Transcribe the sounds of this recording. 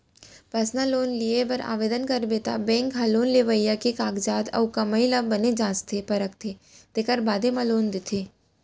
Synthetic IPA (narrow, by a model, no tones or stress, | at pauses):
pɐsnaloːnliebɐɾa̰ːʋeːd̪ənkɐɾbeːt̪a̰bɛ̃ːŋkɦɐloːnleʋəijakikaːɡd͡ʒaːd̪ɐ̰wkɐməilabɐned͡ʒãːst̪ʰepɐɾək̚t̪ʰet̪ekəɾbaːd̪emãloːnd̪ɪt̪ʰeː